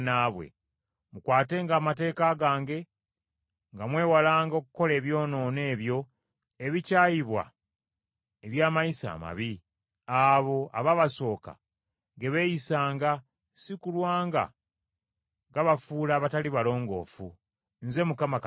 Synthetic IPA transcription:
naβwe̞̰ | mukwaːte̞ŋɡaːmate̞ːkaːɡaːŋɡe̞ | ŋɡamwe̞ːwalaːŋɡokuko̞le̞ːβjo̞ːno̞ːne̞ːβjo̞ | eβicaːjiβwa̰ | eβjaːmajisa̰ːma̰βi | aβo̞a̰βaβaso̞ːka̰ | ŋɡe̞βe̞jisaːŋɡa | sikulwaːŋɡa̰ | ɡaβafuːlaːβataliβalo̞ːŋɡo̞̰ːfṵ | nze̞mukama

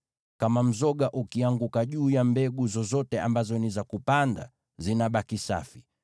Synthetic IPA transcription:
kamam̩zɔɠaʔukiaŋɡukaʄuːjambɛɡuzɔzɔtɛa̰mbazɔnizakupanda̰ | zinaɓakisa̰fi

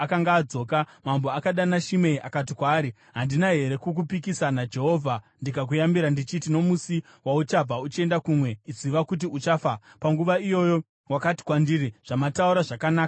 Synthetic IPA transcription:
akaŋɡaːd͡zo̞ːkamambo̞akaɗanaʃimeiʔakat̬ikwaːɾi | ɦandinaɦe̞ɾe̞kuk̬upikisanad͡ʒe̞ɦo̞ːvʱa | ndikak̬ujambiɾandit͡ʃitino̞musi | waut͡ʃab͡vaut͡ʃie̞ndakumwe̞iziʋakut̬iut͡ʃafapaŋɡuʋaijo̞jo̞ | wakati̥kwandiɾiʐ̥amatauɾaʐakanaːka

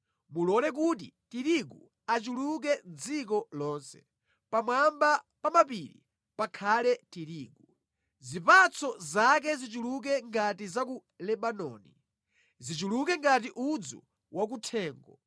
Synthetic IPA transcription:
mulɔlɛk̬ut̬ḭtiɾiɡu | at͡ʃuluk̬ɛnd͡zik̬ɔlɔːnsɛ̥ | pamwamba | pamapiɾḭ | pakʰalɛtiɾiːɡu | zipat͡sʰɔzak̬ɛzit͡ʃuluk̬ɛŋɡatizak̬u | lɛɓanɔ̰ːni | zit͡ʃulukɛŋɡat̬iʔud͡zṵ | wʔak̬utʰɛːŋɡɔ

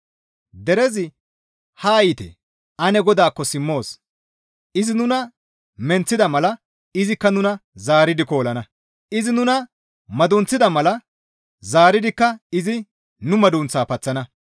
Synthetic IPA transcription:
d̪ɛɾɛzɪ | haːjɪt̪ɛ̰ | ʔɐnɛɡɔd̪aːkːɔsɪmːo̞ːs | ʔɪzɪnʊnɐ | mɛnt͡sːɪd̪ɐmɐlɐ | ɪzɪkːɐnʊnɐzaːɾɪd̪ɪko̞ːlɐnɐ | ɪzɪnʊnɐ | mɐd̪ʊnt͡sːɪd̪ɐmɐlɐ | zaːɾɪd̪ɪkːɐɪzɪ | nʊmɐd̪unt͡saːpɐt͡sːɐnɐ

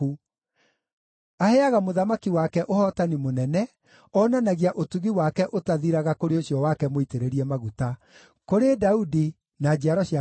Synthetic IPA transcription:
u | ahɛaɣamoðamakiwakɛʔohɔtanimonɛnɛ | ɔnanaɣiaʔotuɣiwakɛʔotaðiɾaɣakoɾeoɕjɔwakɛmoiteɾeɾiɛmaɣuta | koɾedaudi | nad͡ʑiaɾɔɕia

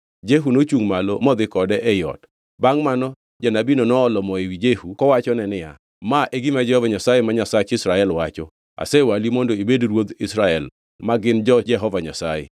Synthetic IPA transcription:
d͡ʒeɦunot͡ʃuŋmalɔ̰mɔd̪ɪkɔdɛʔɛjɔ̰t | baŋmanɔ | d͡ʒanabinɔnɔːlɔmɔewid͡ʒehukɔwat͡ʃɔnɛnɪa̰ | maʔeɡimad͡ʒɛhɔvaɲasajemaɲasat͡ʃɪsɾaɛlwat͡ʃɔ | a̰sɛwalimɔndoibedɾwod̪ɪsɾaɛl | maɡɪnd͡ʒɔd͡ʒɛɦɔvaɲa̰sajḛ

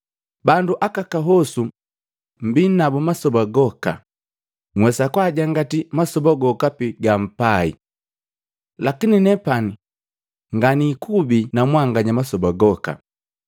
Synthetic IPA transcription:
banduʔakakaɦɔsu | mbinabɔmasɔbaɡɔka̰ | ŋwɛsakwaɟaŋɡatimasɔbaɡɔkapiɡam̩paḭ | lakininɛpani | ŋɡanikubinamwaŋɡaɲamasɔbaɡɔka̰

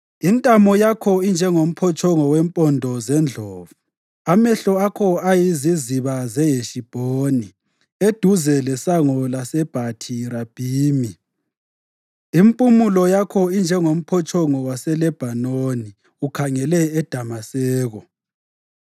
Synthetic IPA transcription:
intʼamɔjakʰɔind͡ʒʱɛŋom̩pʰɔt͡ʃʰʼɔŋɔwempʼɔndʱɔzɛnd͡ɮʱɔːvu | amɛɬɔakʰɔajiziziβazɛjeʃib̥ʱoːni | ed̥ʱuzɛlɛsaŋɔlasɛb̥ʱatʰiɾab̥ʱiːmi | impʼumulɔjakʰɔind͡ʒʱɛŋom̩pʰɔt͡ʃʰʼɔŋɔwasɛlɛb̥ʱanoːni | ukʰaŋɛlɛːd̥ʱamasɛːɣɔ

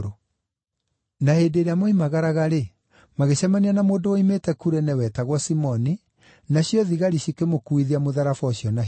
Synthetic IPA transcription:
ɾo | naheːdeːɾeamoimaɣaɾaɣaɾe | maɣeɕamanianamoːndooimetɛkuɾɛnɛwɛtaɣwɔsimɔni | naɕjɔðiɣaɾiɕikemokuiðiamoðaɾafɔɕjɔna

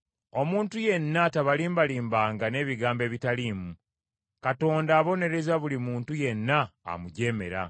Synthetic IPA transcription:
o̞muːntuje̞nːataβaliːmbaliːmbaːŋɡane̞ːβiɡaːmbe̞ːβitaliːmu | kato̞ːndaːβo̞ne̞ɾe̞zaβulimuːntuje̞nːa̰ːmuɟe̞ːme̞̰ɾa̰

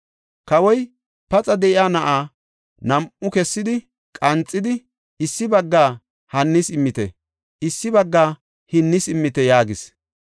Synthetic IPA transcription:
kɐwɔj | pɐt͡sʼɐd̪ɛʔɪaːnɐʔaː | nɐmʊkɛsːɪd̪ɪ | kʼɐnt͡sʼːɪd̪ɪ | ɪsːɪbɐɡːaː | hɐnːɪsɪmːɪt̪ɛ | ʔɪsːɪbɐɡːaː | hɪnːɪsɪmːɪt̪ɛjaːɡɪs

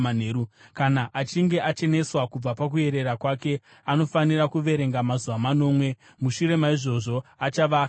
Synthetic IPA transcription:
an̤eːɾukanaʔat͡ʃiŋɡe̞ʔat͡ʃe̞ne̞swakub͡vapak̬ue̞ɾe̞rakwaːke̞ | ano̞fanirakuʋe̞ɾe̞ŋɡamazuʋamano̞ːmwe̞ | muʃuɾe̞maiʐo̞ʐo̞at͡ʃaʋaː

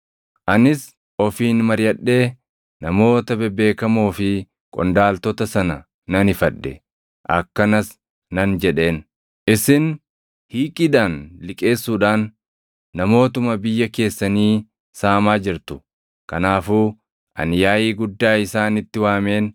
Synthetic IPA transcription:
ʔɐnɪs | ɔfiːnmɐɾjɐɗːe̞ː | nɐmo̞ːt̪ɐbɛbe̞ːkɐmoːfɪ | kʼɔ̰nd̪aːlt̪ɔt̪ɐsɐnɐ | nɐnɪfɐᶑːɛ | ʔɐ̰kːɐnɐs | nɐnd͡ʒɛᶑe̞ːn | ʔɪsɪn | hiːkʼɪd̪aːnlɪkʼe̞ːsːuːᶑaːnː | ɐmo̞ːt̪ʊmɐbɪjːɐke̞ːsːɐniː | saːmaːd͡ʒɪɾt̪ʊ̥ | kɐnaːfuː | ʔɐ̰njaːjiːɡʊd̪ːaːɪsaːnɪt̪ːɪwaːme̞ːn

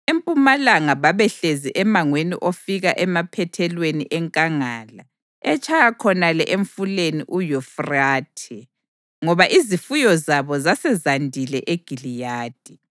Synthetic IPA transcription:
empʼumalaŋaβaβɛɬeziʔɛmaŋwenḭʔofiɣaʔɛmapʰɛtʰɛlweniʔɛŋkʼaŋaːla̰ | ɛt͡ʃʼʰajakʰɔnalɛ̰ʔeɱfuleniʔujɔfraːtʰɛ | ŋɔβaʔizifujɔzaβɔzasɛzandʱilɛʔeɡ̥ʱilijaːd̥ʱi

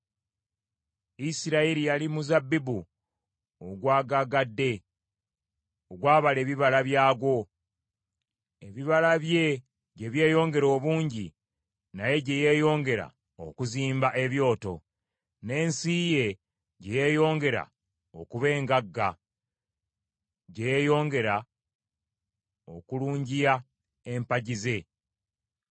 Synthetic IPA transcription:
isiɾaiɾijalimuzabːibu | oɡwaːɡaɡadːe̞ | oɡwaːβale̞ːβiβalaβjaːɡo̞ | e̞βiβalaβje̞ | ɟe̞βje̞ːjo̞ːŋɡe̞ɾo̞ːβuːɲɟi | naje̞ɟeje̞ːjo̞ːŋɡe̞ɾa̰ | okuziːmbaʔe̞βjo̞ːto̞ | ne̞ːnsije̞ | ɟeje̞jo̞ːŋɡe̞ɾa̰ | okuβe̞ːŋɡaɡːa | ɟejejo̞ːŋɡe̞ɾa | okuluːɲɟija | e̞mpaɟize̞

